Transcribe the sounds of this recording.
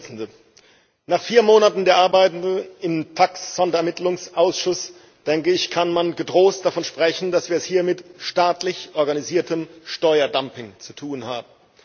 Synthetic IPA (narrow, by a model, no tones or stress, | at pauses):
t͡sn̩də | naːχfiːɐmoːnatn̩deːɐʔaɐbaɪtn̩dnʔɪmtʰaksz̥ɔndɐɛɐmɪtlʊŋsʔaʊsʃʊs | d̥ɛŋkəɪçkʰanmanɡədʁoːst̚d̥afɔnʃpʁ̥ɛçn̩dasv̥iːɐɛshiːɐmɪtʃtaːtlɪçʔɔɐɡaniziːɐtʰəmʃtɔʏɐdampɪŋt͡sutʰuːnhaːbm̩